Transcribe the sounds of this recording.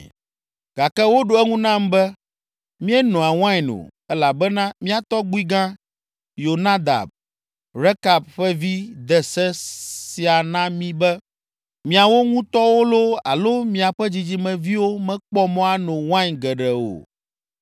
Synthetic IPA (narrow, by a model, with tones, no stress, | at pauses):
ɡ̥a˨kɛ˦wo˦ɖo˨ɛ˦ŋũ˦nã˦m˦bɛ˦ | mĩ˦ɛ˦nɔ̃˨a˨w̃ã˦ɲ˨nõ̰˨ɛ˦la˨bɛ˦nã˦mĩ˦a˨t̪ɔ˦ɡ͡bu˦i˦ɡã˦ | jo˨nã˦d̪a̰˨b̚ | ɾɛ˦ka˨bɸɛ˦vi˦d̪ɛ˨sɛ˦si˨a˨nã˦mĩ˦bɛ˦ | mĩ˨a˨wo˦ŋũ˦t̪ɔ˦wo˦lo˦a̰˨lo˦mĩ˦a˨ɸɛ˦d͡ʑi˦d͡ʑi˦mɛ̃˨vi˦wo˦mɛ̃˦k͡pɔ˦mɔ̃˦a˨nɔ̃˨wã˦ɲɡɛ˨ɖɛ˨o̰˨